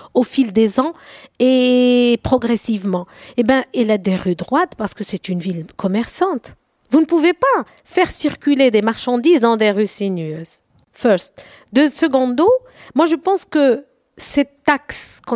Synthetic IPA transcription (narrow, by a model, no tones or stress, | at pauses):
ofild̪ezɑ̃epχɔɡʁɛsivmɑ̃ebjɛ̃ɛlad̪eʁyd̪ʁwat̪paʁsə̥kəsɛt̪ynvilkʰɔmɛʁsɑ̃t̪ | vunəpuvepa | fɛʁsiʁkʲyled̪emaʁʃɑ̃d̪izd̪ɑ̃d̪eʁysinøz | fœʁst̪ | d̪øsəɡɔ̃d̪o | mwaʒəpɑ̃skə | sɛt̪ːakskɔ̃